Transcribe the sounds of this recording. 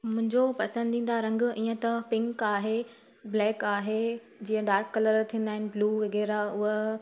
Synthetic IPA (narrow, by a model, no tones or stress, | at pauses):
mʊ̃ɦɪ̃ɲd͡ʑopɐsə̃nd̪dĩːn̆d̪aɾɐ̃ŋɡiːə̃t̪ɐpɪ̃ŋkaːɦe | blɛːkaːɦe | d͡ʑiːə̃ɖaːɾkːɐləɾt̪ʰĩːn̆d̪aːɦɪ̃nɪ̆bluːʋɐɡɛːɾaʊɦə